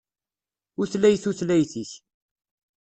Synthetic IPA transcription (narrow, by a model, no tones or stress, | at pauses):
ʊθlæjθuθlæjθiç